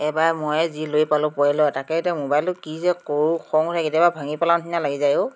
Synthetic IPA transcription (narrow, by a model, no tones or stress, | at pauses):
ɛbaɹmojzilojpalʊ̃poɛlɔtakɛtɛmobajlɔkizɛkoɹxʰɔŋɔsɛketjababʱaŋipalantʰinalaɡizajʊ̃